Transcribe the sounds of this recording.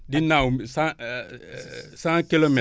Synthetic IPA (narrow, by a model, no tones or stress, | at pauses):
dinawmsa | sãŋkilome